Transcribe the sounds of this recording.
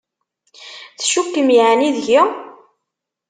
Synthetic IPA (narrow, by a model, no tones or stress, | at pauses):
θʃukːəmjʕniðʝi